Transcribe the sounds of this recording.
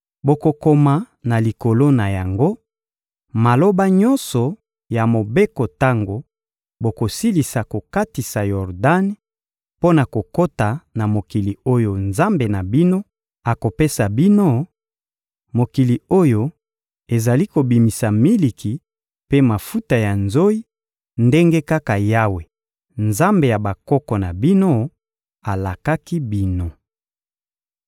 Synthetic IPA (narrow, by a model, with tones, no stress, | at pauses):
bo˨ko˨ko˨ma˨ | na˨li˨ko˨lo˦na˨ja˨ŋɡo˦ | ma˨lo˦ba˦ɲɔ̃˦nsɔ˨ | ja˨mo˨be˦ko˨ta˦ŋɡo˨ | bo˨ko˨si˦li˨sa˨ko˨ka˦ti˨sa˨jɔ˨ʁda˦n˦ | po˦na˨ko˨ko˦ta˨na˨mo˨ki˨li˨o˦jo˨nza˦mbe˨na˨bi˦no˦ | a˨ko˨pe˦sa˨bi˦no˦ | mo˨ki˨li˨o˦jo˦ | e˨za˨li˦ko˨bi˨mi˨sa˨mi˦li˨kʰi˨ | pe˦ma˨fu˦ta˨ja˨nzo˦i˦ | nde˦ŋɡe˦ka˦ka˨ja˦we˨ | nza˦mbe˨ja˨ba˨kɔ˦kɔ˨na˨bi˦no˦ | a˨la˨ka˦ki˦bi˦no˨